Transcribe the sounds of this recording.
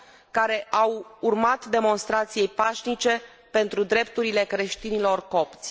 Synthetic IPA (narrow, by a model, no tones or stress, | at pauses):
kaɾe̞ʔawurmat̪d̪e̞mo̞nst̪ɾat̪sije̞jpaʃnit͡ʃe̞ | pe̞nt̪ɾud̪ɾe̞pt̪uɾile̞kɾe̞ʃt̪inilo̞rko̞pt̪sʲ